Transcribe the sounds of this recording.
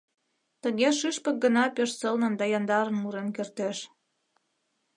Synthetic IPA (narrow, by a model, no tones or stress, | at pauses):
t̪əɣeʃyʃpə̆k̚ɡənɑpøʃsəlnə̆nd̪ɑjɑnd̪ɑɾənmuɾenkørt̪eʃ